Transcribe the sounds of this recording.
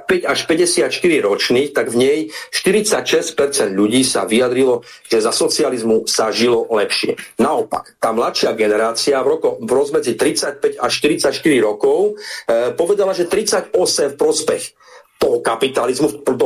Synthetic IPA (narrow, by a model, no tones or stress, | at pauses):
pɛɟaʃpɛɟɛsɪat̪ʃt̪iɾiɾɔt͡ʃniːxt̪aɡvɲɛjʃt̪iɾit͡sacʃɛsc̚pɛɾt͡sɛnd̪ʎuɟiːsa̰ʋijad̪ɾilɔ | ʒ̥ɛzasɔt͡sializmusaʒilɔlɛpʃɪɛ̰naɔpa̰kt̪aːmlat̪ʃɪaɡɛnɛɾaːt͡siavɾɔkɔvɾɔzmɛd͡zit̪ɾit͡sac̚pɛɟaʃːt̪iɾit͡sacʃt̪iɾiɾɔkɔʊpɔʋɛd̪alaʒɛt̪ɾit͡saɟɔsɛmfpɾɔspɛx | t̪ɔɦɔkapit̪alizmupt̪ɔ